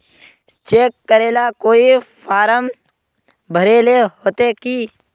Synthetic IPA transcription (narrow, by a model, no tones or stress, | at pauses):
t͡ʃeːkːəɾeːlakoːipʰaːɾəm | bʱəɾeːleɦoːt̪ekiː